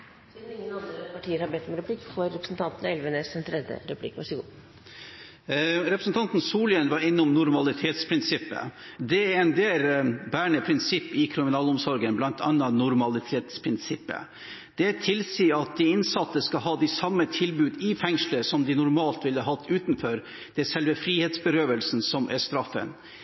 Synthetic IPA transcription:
ɪŋːənɑnd̪ɾəpʰɑʈʰiːəɾhɑbɛt̪ːɔmɛnɾɛpʰlikːfɔɾːɛpɾəsn̩t̪ʰɑnt̪nɛlʋənəsɛnt̪ʰɾɛd̪jə̰ɾɛpʰlɪ̰kːʋæʂɡṵː | ɾɛpɾəsn̩t̪ʰɑnt̪n̩suːlɪənʋɑɾɪnːʊmnʊɾmɑlɪt̪ʰeːt̪spʰɾɪnsɪpːə̰ | d̪ɛæɛnd̪eːlbæːɳəpʰɾɪnsɪpːɪkʰɾɪmɪnɑːlʊmsɔɾɡənblɑnt̪ʰɑ̰nːɑnʊɾmɑlɪt̪ʰeːt̪spʰɾɪnsɪpːə̰ | d̪̥ɛt̪ʰɪlsiːɑt̪̚d̪ɪɪnsɑt̪ːəskɑɦɑːd̪ɪsɑmːət̪ʰɪlbʉːd̪ɪfɛŋʂləɾsɔmd̪ɪnʊɾmɑːlt̪ʋɪləɦɑt̪ʰːʉːt̪nfɔɾ | d̪̥ɛsɛlʋəfɾiːheːt̪sbəɾøːʋəlsn̩sɔmʔæʂt̪ɾɑfːə̰n

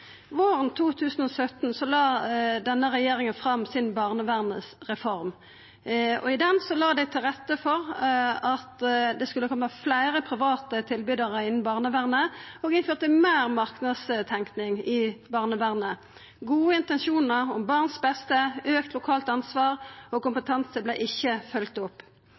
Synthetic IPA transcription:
ʋoːʁənt̪ʰuːt̪ʰʉːsn̩ɔsœt̪nsɔlɑːd̪ɛnːəʁɛjeːʁɪŋənfʁɑmsɪnbɑːʁnəʋæːʁnəsʁɛfɔʁm | ɔ̰ɪd̪ɛnsɔlɑːd̪æɪt̪ʰɪlʁɛt̪ːəfɔʁɑt̪d̪ɛskʉlːəkʰɔmːəflæɪʁəpʰʁɪʋɑːt̪ət̪ʰɪlbyd̪əʁəɪnːn̩bɑːʁnəʋæːʁnəoːɡɪnføːʁt̪əmeːʁmɑʁknɑd̪st̪ʰɛŋknɪŋɪbɑːʁnəʋæːʁnə | ɡuːəɪnt̪ɛnsuːnəʁɔmbɑʁnsbɛst̪əøːk̚t̪ʰlʊkʰɑːlt̪ɑnsʋɑːʁɔkʊmpət̪ʰɛnsəblɛɪʔɪçːəfœlkt̪ʊpː

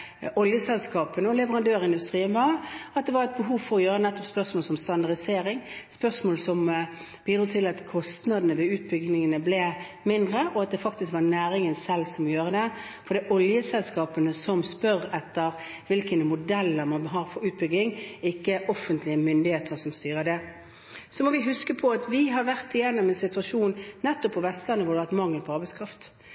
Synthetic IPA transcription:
ʔɔljəsɛlskɑːpənəɔlɛʋəʁɑnd̪øːɾɪnd̪ʉst̪ʁiːənʋɑʁɑt̪̚d̪ɛʋɑʁɛt̪̚bəɦuːʋfɔɾɔjøːɾənɛt̪ːɔpspœʁsmoːlsɔmst̪ɑnd̪ɑʁd̪ɪseːɾɪŋspœʁsmoːlsɔm | b̥iːd̪ɾuːt̪ʰɪlɑt̪kʰɔst̪nɑd̪ənəʋɛʉːt̪̚bʏɡnɪŋənəblɛ | mɪnd̪ʁəʔɔɑt̪̚d̪ɛfɑkt̪ɪskʋɑnæːɾɪŋənsɛlsɔmɔjøːɾəd̪ɛ | fɔɾd̪ɛːʔɔljəsɛlskɑːpənəsɔmspœʁɛt̪ːəʁ | ʋɪlkənmʊd̪ɛlːəɾmɑnbɦɑːɾfɔɾʉːt̪̚bʏɡ̪ɪŋɪkːəʔɔfːənt̪lɪəmʏnd̪ɪheːt̪ʰəɾsɔmst̪yːʁəd̪ɛ | sɔmɔʋɪɦʉskəpʰɔɑt̪ʋɪɦɑɾʋæʁt̪ɪjɛnːɔmɛnsɪt̪ʉɑʂuːnnɛt̪ːɔpːɔʋɛst̪lɑnːəʋʊʁɾd̪ɛʋæʁt̪mɑŋːəlpʰɔɑɾbɛɪskʰɾɑft̪

